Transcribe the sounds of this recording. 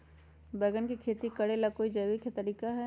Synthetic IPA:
bɛːɡənkikʰeːt̪ikɐɽelakoːid͡ʒɐːʋikʰet̪ɐɾiːkaɦɛ

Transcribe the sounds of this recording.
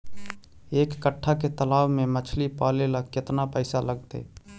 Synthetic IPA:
eːkːəʈʰːaket̪əlaːwmẽmət͡ʃʰlipaːlelakɪt̪napəɪsaləɡ̚t̪ḛː

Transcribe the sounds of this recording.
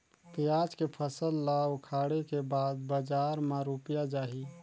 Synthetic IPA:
pjaːd͡ʒkepʰəsəlːawʊkʰaːɽekebaːd̪̚bəd͡ʒaːɾmaɾupjad͡ʒaːɦi

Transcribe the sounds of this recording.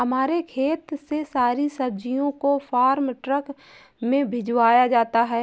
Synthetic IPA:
ɦɐmaːɾekʰeːt̪sesaːɾisɐb̚d͡ʒijõkofaːɾmʈɾək | mẽbʱɪd͡ʒwaːjad͡ʒaːt̪aɦɛː

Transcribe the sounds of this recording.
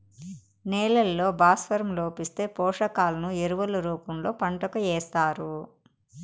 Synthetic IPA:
nɛːlɐlːo̞ːbaːsfɐɾmloːpist̪e̞ːpɔːʂɐkaːlɐnueɾuʋɐluɾuːpɐmlo̞ːpɐɳʈɐkɐɛːst̪aːɾu

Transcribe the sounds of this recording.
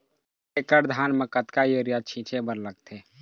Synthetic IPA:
ekəɾd̪ʱaːnməkət̪kajoɾijat͡ʃʰĩːt͡ʃʰebəɾləɡ̚t̪ʰeː

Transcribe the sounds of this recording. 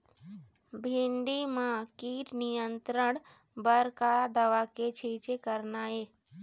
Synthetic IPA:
bʱɪɳɖimãkiːʈnijənt̪ɾəɳ | bəɾkad̪əʋaket͡ʃʰiːt͡ʃekəɾnaːeː

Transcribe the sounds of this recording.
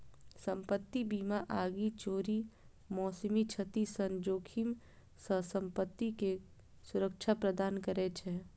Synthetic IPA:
səmpət̪ːibiːmaʔaːɡit͡ʃoːɾi | mɔːsmit͡ʃʰət̪isənd͡ʒoːkʰim | səsəmpət̪ːike | sʊɾək̚t͡ʃʰapɾəd̪aːnkəɾɛt͡ʃʰɛ

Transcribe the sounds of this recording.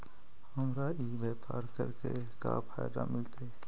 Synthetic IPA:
ɦəmɾaiʋeːpaːɾkəɾke | ka̰pʰaːɪd̪a̰mɪlt̪eː

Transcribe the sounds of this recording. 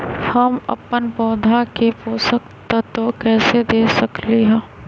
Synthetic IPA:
hɐmɐ̰pənpɔːd̪ʱakepoːsəkt̪at̪okɛːsed̪eːsɐkliɦɛ̃ː

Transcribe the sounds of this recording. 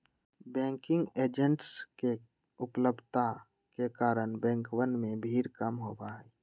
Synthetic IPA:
bɛ̃ːŋkɪ̃ŋɡeːd͡ʒəɳʈske | ʊpləbʱt̪a | kekaːɾənbɛ̃ːŋkwənmẽbʱiːɾkəmɦoːbaɦɛː

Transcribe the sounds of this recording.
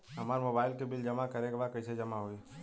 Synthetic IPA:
ɦɐmaːɾmobaːɪlkebɪld͡ʒɐmakəɾeɡbakəised͡ʒɐmaɦoi

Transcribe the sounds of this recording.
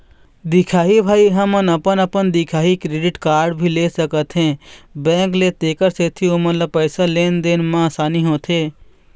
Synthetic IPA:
d̪ɪkʰaːɦibʱaːiɦəmənəpənəpənd̪ɪkʰaːɦikɾeːɖɪʈkaːɾɖbʱileːsəkət̪ɦɛ̃ːbɛ̃ːŋklet̪eːkəɾset̪ʰiomət̪ləb̚pəːsaleːnd̪eːnmãsaːniɦõːt̪ʰɦeː

